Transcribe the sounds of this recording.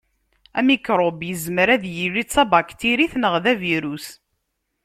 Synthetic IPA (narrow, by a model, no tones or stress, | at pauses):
æmikɾˤobjəzməɾæðjirit͡sæbakt̪iɾiθnəʁðæviɾus